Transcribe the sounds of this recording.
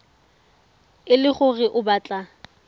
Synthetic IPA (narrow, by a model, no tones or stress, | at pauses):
ɪlɪχʊrɪʔʊbaːt͡ɬʼa